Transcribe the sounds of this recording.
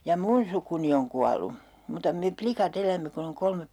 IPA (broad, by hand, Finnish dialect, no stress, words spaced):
jɑ mun sukuni oŋ kuɑlu muːtɑ me plikɑt elæmːe kun oŋ kolmep